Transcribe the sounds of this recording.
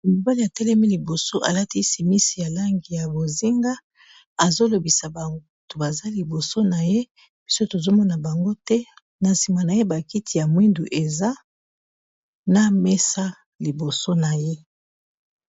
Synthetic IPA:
mo˨ba˦li˨a˨tɛ˦lɛ˦mi˦li˨bo˨so˦ʔa̰˨la˦ti˦si˨mi˦si˨ja˨la˦ŋɡi˨ja˨bo˨zi˦ŋɡa˦ | a˨zo˦lo˨bi˨sa˨ba˨ŋɡou˦to˨ba˨za˦li˨bo˨so˦na˨je˦ | b̥i˦so˦to˨zo˦mɔ˦na˨ba˨ŋɡo˦tɛ˦ | na˨si˨ma˨na˨je˦ba˨ki˦tʰi˨ja˨mwi˦ndu˨ʔe˨za˦ | na˦mɛ˦sa˦ | li˨bo˨so˦na˨je˦

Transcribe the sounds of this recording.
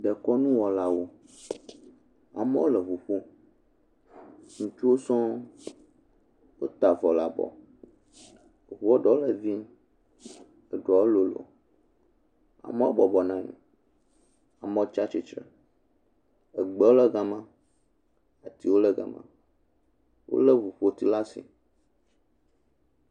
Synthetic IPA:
ɖɛ˨kɔ˦nũ˦wɔ˨la˦wo˦ | a̰˨mɛ̃˦wo˦lɛ˨vu˨ɸu˦ | ŋũ˨t͡ʃu˦wo˦sɔ̃˦ | wo˦t̪a˨vɔ˨la˨bɔ̰˨ | βɔ˦ɖɔ˦o˦lə˨vi˦ | ə˨ɖɔ˨o˦lo˨lo̰˨ | a̰˨mẽ˦a˦bɔ˨bɔ˨nã˦ŋ̰˨ | a˨mɔ̃˦t͡ʃa˦t͡ʃi˨t͡ʃɾɛ̰˨ | ə˨ɡ͡bɛ˦wo˦lə˦ɡa˨mã˦ | a˨t̪i˨wo˦lɛ˦ɡa̰˨mã̰˨ | wo̰˦le˦βu˨ɸo˦t̪i˦la˦sḭ˨

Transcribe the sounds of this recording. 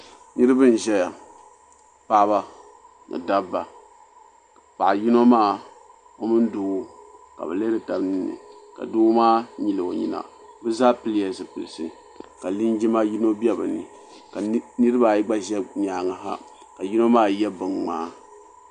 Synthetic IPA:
nɨ˦ɾɨ˦bɨ˦n˨ʒɛ˦ja˨ | pa˦ba˦ | nɨ̰˨da˦bːa˨ | pa˨ʔji˦no˦maː˦˨ | o˦mɨ˦n˦duː˦ka̰˨bɨ̰˨le˦dɨ˨ta˨bnɨ˦nːɨ̰˨ka̰˨duː˦maː˦ɲi˨lɨ˨o˨ɲḭ˦na̰˨ | bɨ˦zaː˦pɨ˦li˦ja˨zɨ˨pɨ̰˨lɨ˨sɨ˨ | ka˨li˦nd͡ʒi˦ma˦ji˦no˦bɛ˦bɨ˨nɨ̰˨ | ka˨nɨ˦ɾɨ˦ba˨i˦ɡ͡ba˦ʒɛ˦ɲaː˨˦˨ŋa˨ɦa̰˦ | ka˨ji˦no˦maː˦˨jɛ˦bɨ˨ŋŋ͡maː˦

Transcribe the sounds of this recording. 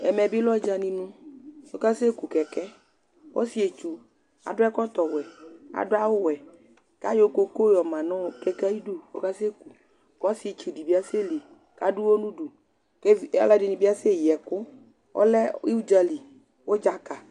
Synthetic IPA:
ɛ˨mɛ˨bi˦lɔ˦d͡ʒa˨nĩ˨nũ˦wo˦ka˦se˦ku˨kɛ˨kɛ˦ | wʔo̰˦si˨˦e˨t͡ʃu˨ | a̰˨dʊ˦ɛ˦kɔ˦t̪ɔ˨wɛ˨a̰˨dʊ˦a˦wo˦wɛ˨ | ka˦jo˦ko˦ko˦jɔ˨mã˨nɔ̃˦˨kɛ˦kɛ˦i˦du˦wo̰˦ka˦se˦ku˨ | wa˦si˨˦e˨t͡ʃu˨di˨bi˦a˦se˦li˨ | ka˦du˦wo˦nũ˦ɖu˨ | ke˦a̰˦la˦dɪ˨nĩ˨bi˦a˦se˦˨jɛ˨kʊ˦ | wo̰˦lɛ˦i˦u˦d͡ʒa˨li˨ | wo˦d͡ʒa˦ka˨

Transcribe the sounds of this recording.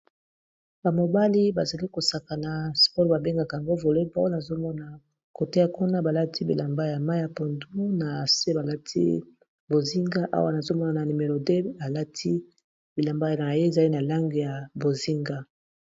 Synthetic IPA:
ba˨mo˨ba˦li˦ba˨za˨li˦ko˨sa˨ka˨na˨spɔ˦ʁba˨be˦ŋɡa˨ka˨a˨ŋɡo˦vo˨le˦ba˦wa˦na˨zo˦mɔ˦na˨ | ko˨te˦a˨ku˦na˦ba˨la˦tʰi˦bḭ˨la˨mba˦ja˨ma˦ja˨po˨ndu˦na˨se˦ba˨la˦tʰḭ˦ | bo˨zi˦ŋɡa˦ʔa̰˦wa˦na˨zo˦mɔ˦na˨na˨ni˨me˨ʁo˨de˦a˨la˦tʰi˦ | bi˨la˨mba˦ja˨na˨je˦e˨za˨li˦na˨la˦ŋɡi˨ja˨bo˨zi˦ŋɡa˦

